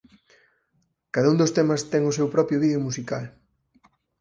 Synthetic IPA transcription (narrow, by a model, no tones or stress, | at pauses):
kaðaund̪ost̪ɛmɐst̪ɛŋʊs̬ewpɾɔpɾjoβiðeomusikal